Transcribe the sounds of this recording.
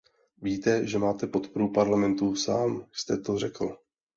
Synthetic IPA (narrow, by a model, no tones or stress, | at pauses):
viːt̪ɛʒɛmaːt̪ɛpo̞t̪po̞ɾupaɾlamɛnt̪usaːmjst̪ɛt̪o̞r̝ɛkl̩